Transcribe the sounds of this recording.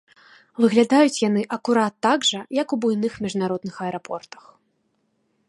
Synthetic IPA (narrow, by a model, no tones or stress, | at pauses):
vɨɣlʲad̪ajut͡sʲjan̪ɨʔɐkuɾat̪ːaɡʐɐjɐkubujnɨxmʲiʐnaɾɔd̪̚nɨxɐɛɾapʰɔ̰rt̪ɐ̥x